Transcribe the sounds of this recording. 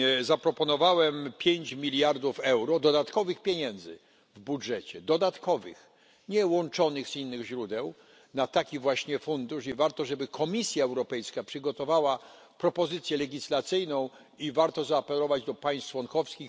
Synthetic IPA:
zapɾɔpɔnɔvawɛmpʲjeɲt͡ɕmʲilʲjaɾd̪ufɛwɾɔd̪ɔd̪at̪kɔvɘxpʲjeɲɛnd̪zɘ̰ | vbudʐɛt͡ɕɛd̪ɔd̪at̪kɔvɘ̰x | ɲɛwɔnt͡ʂɔnɘɣz̥inːɘɣʑɾud̪ɛw | nat̪akʲivwaɕɲɛfund̪uʂivaɾt̪ɔʐɛbɘkʰɔmʲisʲjaɛwɾɔpɛjskapʂɘɡɔt̪ɔvawa | pɾɔpɔzɘt̪sʲjɛlɛɡʲislat̪sɘjnɔ̃w̃ | ivaɾt̪ɔzaːpɛlɔvad͡ʑd̪ɔpaj̃st̪t͡ʂwɔŋkɔfskʲix

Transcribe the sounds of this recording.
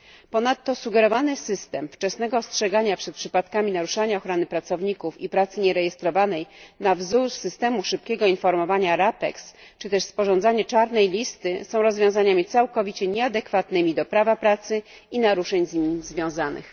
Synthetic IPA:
pɔnat̪ːɔsuɡɛɾɔvanɘsɘst̪ɛmft͡ʂɛsnɛɡɔstʂɛɡaɲapʂɛt̪̚pʂɘpat̪kamʲinaɾuʂaɲaɔxɾɔnɘpɾat̪sɔvɲikufipɾat̪sɘɲɛɾɛjɛst̪ɾɔvanɛjnavzuɾsɘst̪ɛmuʂɘp̚kʲɛɡɔinfɔɾmɔvaɲaɾapɛ̰kst͡ʂɘt̪ɛʂspɔʐɔ̃nd̪zaɲɛt͡ʂaɾnɛjlʲist̪ɘsɔ̃w̃ɾɔzvjɔ̃w̃zaɲamʲit̪sawkɔvʲit͡ɕɛɲɛad̪ɛkfat̪nɘmʲid̪ɔpɾavapɾat̪sɘ | inaɾuʂɛɲzɲimizvʲjɔ̃w̃zanɘ̰x

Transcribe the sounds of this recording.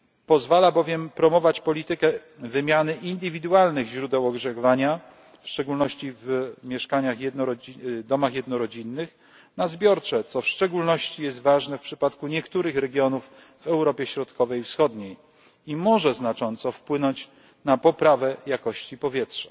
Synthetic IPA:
pɔzvalabɔvʲjɛmpɾɔmɔvat͡ɕpɔlʲit̪ɘkɛ | vɘmʲjanɘʔind̪ɘvʲid̪ualnɘɣʑɾud̪ɛwɔɡʐɛɣvaɲa | fʂt͡ʂɛɡulnɔɕt͡ɕivmʲjɛʂkaɲaxjɛd̪nɔɾɔd̪ɔmaxjɛd̪nɔɾɔd͡ʑinːɘx | nazbʲjɔɾt͡ʂɛt̪sɔfʂt͡ʂɛɡulnɔɕt͡ɕijɛst̪vaʐnɛfpʂɘpat̪kuɲɛkt̪uɾɘxɾɛɡʲjɔnuf | vɛwɾɔpʲjɛɕɾɔt̪kɔvɛjfsxɔd̪ɲej | imɔʐɛznat͡ʂɔnt̪sɔfpwɘnɔɲt͡ɕ | napɔpɾavɛjakɔɕt͡ɕipɔvʲjɛtʂḁ

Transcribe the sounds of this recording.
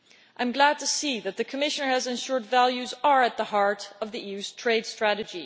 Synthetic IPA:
ʔãɪ̃mɡlæd̚tʰɨsiðɨt̪̚ðɨkʰəmɪʃə̃nə˞ɨzɨ̃nʃʊɹdvælˠjʉzə˞ɨt̪̚ðəhɑɹɾʌvðiʔʉztʰɹ̥eɪd̥stɹ̥æɾɨd͡ʒi

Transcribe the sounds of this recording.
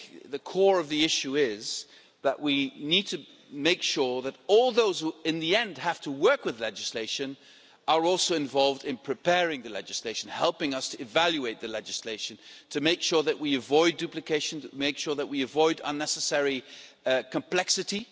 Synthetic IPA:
ðɨkʰɔɹʌvðiɪʃʉɪz | ðəʔwinid̚tʰɨ | meɪkʃʊɹðəɾɔlˠðoʊz̥huɨ̃nðiɛ̃ndhæftʰəwɜ˞kwɨðlɛd͡ʒɨsleɪʃɨ̃n | ʔə˞ɔlˠsoʊɨ̃ɱvɑlˠvdɨ̃npʰɹ̥ɨpʰɛɹɪ̃ŋðɨlɛ̰d͡ʒɨsleɪʃɨ̃n̩hɛlˠpɪ̃ŋʌstʰɨɨvælˠjʉeɪt̪̚ðɨlɛd͡ʒɨsleɪʃɨ̃n̩tʰɨmeɪkʃʊɹðɨʔwiɨvɔɪdʉplɨkʰeɪʃɨ̃nmeɪkʃʊɹðəʔ̚wiɨvɔɪɾʌ̰̃nːɛsɨsɛɹi | kʰɨ̃mpʰl̥ɛksɨɾi

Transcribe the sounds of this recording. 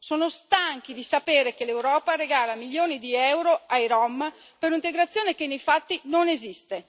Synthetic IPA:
soːnost̪aŋk̟id̪isapeːɾek̟elewɾɔːpaɾeɡaːlamiljoːnid̪iɛwɾoajɾɔm | peɾunint̪eɡɾat̪sːjoːnekenejfat̪ːinonezist̪e

